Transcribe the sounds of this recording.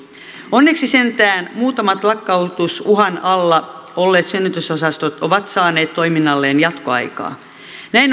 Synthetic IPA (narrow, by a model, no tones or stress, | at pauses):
onːeksise̞nt̪æːnmuːt̪ɑmɑt̪lɑkːɑut̪usuɦɑnɑlːɑ | olːe̞ːt̪synːyt̪øsosɑst̪ot̪oʋɑt̪sɑːne̞ːt̪t̪ːo̞iminːɑlːeːnjɑt̪koɑ̰jkɑ̰ː | næin